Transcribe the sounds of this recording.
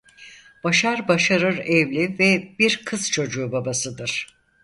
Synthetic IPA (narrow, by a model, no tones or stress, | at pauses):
b̥aʃaɾbaʃaɾɯɾɛvlʲivɛbiɾkʰɯz̥t͡ʃʰo̞d͡ʒuːbabasɯd̪ɯɾ̥